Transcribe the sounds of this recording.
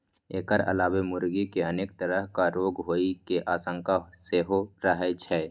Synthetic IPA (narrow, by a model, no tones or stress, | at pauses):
eːkəɾə̰laːbemʊɾɡikeəneːkt̪əɾəɦkaɾoːɡɦoːikeʔaːsə̃ŋkaseɦoɾəɦɛt͡ʃʰɛː